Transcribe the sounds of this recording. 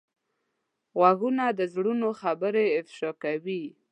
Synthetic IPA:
ɣwaɣunad̪əzɽunoxabəɾeɪfʃɑkawi

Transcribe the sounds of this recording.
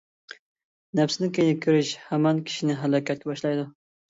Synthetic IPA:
nɛfsɪnɪkʲʰejnɪkʲʰøɾyʃhæmɑnkʲʰi̥ʃinɪɦælˠɑkʲʰɛt̪̚kʲɛbɑʃlˠɑjd̪u

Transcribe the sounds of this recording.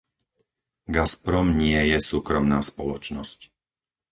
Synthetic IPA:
ɡaspɾɔmɲɪɛjɛsuːkɾɔmnaːspɔlɔt͡ʃnɔsc

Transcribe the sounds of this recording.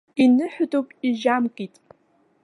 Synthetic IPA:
inɨħʊdupʼiʒamkʼitʼ

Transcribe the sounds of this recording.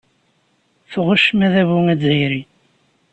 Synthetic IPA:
θʁʊʃmæðæβuŋæd͡zijɾi

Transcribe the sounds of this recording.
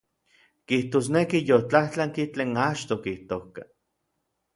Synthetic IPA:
kiht̪oːs̬nekijot͡ɬaht͡ɬaŋkit͡ɬeːnat͡ʃt̪okiht̪oka

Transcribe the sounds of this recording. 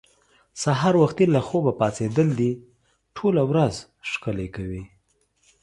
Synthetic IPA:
saɦɑɾwaxt̪ilaxobapɑt͡sed̪əld̪i | ʈʰolawɾaz | ʃkəlekawi

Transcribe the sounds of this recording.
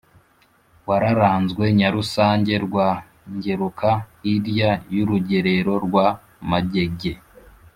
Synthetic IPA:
waɾaɾaːnzɡwe̞ɲaɾusaːɲɟe̞ɾɡwa | ɲɟe̞ɾukaiɾjajuɾuɟe̞ɾe̞ɾo̞ɾɡwa | maɟe̞ɡe̞

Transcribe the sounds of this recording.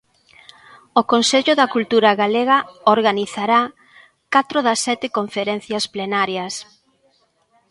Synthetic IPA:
okonseʎʊðɐkult̪uɾaɣaleɣɐoɾɣaniθaɾa | kat̪ɾoðɐsːɛt̪ɪkoɱfeɾɛn̟θjɐsplenaɾjɐs

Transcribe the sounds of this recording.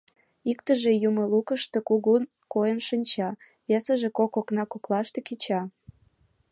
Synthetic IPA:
ikt̪əʒejumə̆lukəʃt̪e̽kuɣun | kojənʃinʲt͡ɕɑ | βesəʒekokoknɑkoklɑʃt̪ekit͡ɕɑ

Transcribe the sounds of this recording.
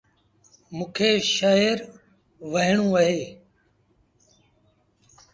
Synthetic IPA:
mũːkʰeːʃaːɪɾ | ʋəɦɪɳũːəɦeː

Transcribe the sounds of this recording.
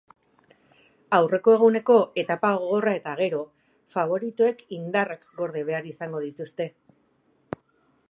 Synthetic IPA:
awre̞koe̞ɣ̞une̞ko̞e̞t̪apaɣ̞oɣo̞rae̞t̪aɣ̞e̞ɾo̞ | faβ̞o̞ɾit̪ue̞kind̪arakɡo̞ɾðeβ̞e̞aɾisaŋɡo̞ð̞it̪ust̪e̞

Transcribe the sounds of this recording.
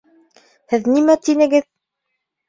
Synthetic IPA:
hɘðnimæt̪inɘ̆ɡɘð

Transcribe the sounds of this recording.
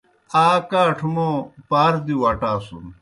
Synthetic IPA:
aːkaːʈʰumopaːɾd̪iwɐʈaːsṵn

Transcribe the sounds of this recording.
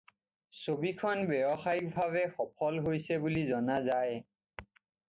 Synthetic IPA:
sobikʰɔnbɛbɔxaik̚bʱaβɛxɔpʰɔlɦojsɛbulizɔnazaj

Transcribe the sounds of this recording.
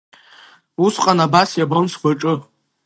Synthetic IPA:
usqʼanabasjabonsɡʷaʈ͡ʂʼɨ

